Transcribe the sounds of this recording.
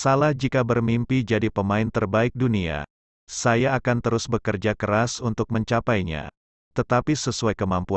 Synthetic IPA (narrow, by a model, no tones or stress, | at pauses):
salahd͡ʒikabərmimpid͡ʒadipəmaɪnt̪ərbaɪk̚dunia̰ | sajaːkant̪əɾʊsbəkərd͡ʒakəɾasunt̪ʊk̚məɲt͡ʃapajɲa̰ | t̪ət̪apisəsuajkəmampu